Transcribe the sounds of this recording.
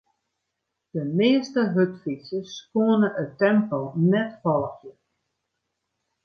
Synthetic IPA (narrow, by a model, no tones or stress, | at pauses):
d̥əmɪːəstəɦøtfisəskoənəʔətːɛmpəlˠnɛtfɔlˠəxjə